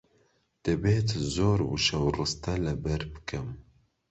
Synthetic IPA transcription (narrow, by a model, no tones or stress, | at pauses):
d̪̥ɨbeːt̪zoːɾwɨʃɛwrɨst̪ɐlɨbɛɾbɨkʰɨm